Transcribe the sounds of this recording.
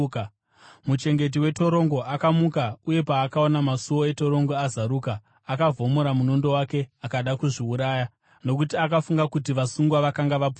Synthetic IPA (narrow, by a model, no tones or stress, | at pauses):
mut͡ʃe̞ŋɡe̞t̬iwe̞to̞ɾo̞ŋɡo̞ʔakamukauje̞paːkao̞namasuwo̞e̞to̞ɾo̞ŋɡo̞azaɾuːkaː | kavʱo̞moɾamunondo̞wake̞akaɗakuʐiuɾaːja | no̞k̬utiakafuŋɡakutiʋasuŋɡwaʋakaŋɡaʋapu